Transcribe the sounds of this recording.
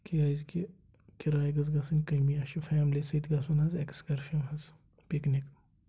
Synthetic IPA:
kiaːzki | kʲiɾaːiɡɐzɡɐsɐnʲkɐmiɐʃifɛːmlisɐit̪ɡɐsunɐzeksɡɐɾfimhɐz | piknik

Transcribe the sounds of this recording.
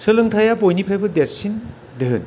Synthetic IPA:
sɯlɯŋtʰajapojnipʰɾajbɯdeɾsin | deɦɯn

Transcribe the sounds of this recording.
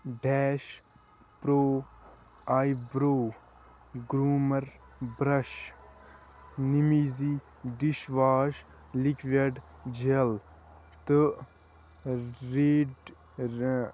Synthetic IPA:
ɖɛːʃ | pɾoː | aːjbɾoː | ɡɾuːmɐɾ | bɾɐʃ | nimiːzi | ɖiʃʋaːʃ | likʰʋɐɖ | d͡ʒel | t̪ɨ | ɾeːɖ

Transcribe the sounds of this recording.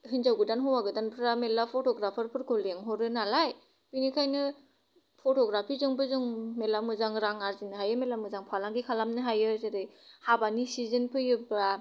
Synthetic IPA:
hɯnzawɡɯdanɦɔwaɡɯdanpʰɯɾamelapʰɔtɔɡɾapʰaɾpʰɯɾkʰɯleŋɦɔɾɯnalaj | binikʰajnɯ | pʰotɔɡɾapʰizɯŋbɯzuŋmelamɯzaŋɾaŋaɾzinɯɦajɯmelamɯzaŋpʰalaŋɡikʰalamnɯɦajɯzeɾɯjhabanisizɯnpʰɯjɯba

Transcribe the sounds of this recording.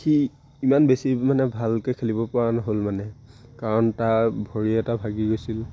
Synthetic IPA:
xi | imanbesimanɛbʱalkekʰelibɔpɔwanɔɦolmanɛ | kaɹɔntabʱɔɹiɛtabʱaɡiɡojsil

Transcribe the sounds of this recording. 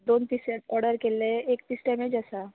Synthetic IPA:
d̪oːnp̪iseʈɔɾɖəɾkeleeːkt̪isʈɛ̃mẽd͡ʒɛsa

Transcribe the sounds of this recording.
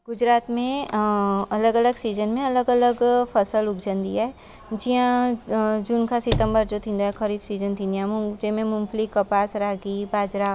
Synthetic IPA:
ɡʊd͡ʒɾaːt̪mẽ | ɐləɡɐləɡsiːd͡ʒənmẽɐləɡɐləɡpʰɐsəlʊɡd͡ʒənd̪ḭjaɦɛ | d͡ʒiɦã | d͡ʒunkasɪt̪ə̃mbəɾd͡ʒot̪ʰĩnd̪oɦɛkʰɐɾiːbsiːzənt̪ʰĩnd̪ijãːmũd͡ʒemẽmʊ̃mflikɐpaːsɾaːɡibaːd͡ʒɾaː

